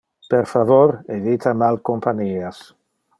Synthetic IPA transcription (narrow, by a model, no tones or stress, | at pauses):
peɾfavoɾeðit̪ʰamalkompaɲias